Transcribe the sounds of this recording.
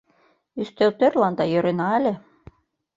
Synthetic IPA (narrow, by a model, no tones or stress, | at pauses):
yst̪elt̪ørlɑnd̪ɑjø̆ɾenɑælʲĕ